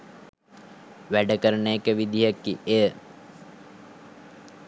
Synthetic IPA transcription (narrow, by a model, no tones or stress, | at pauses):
ʋæɖəkəɾəɳəekəʋid̪ʱiɦəkːiʔejə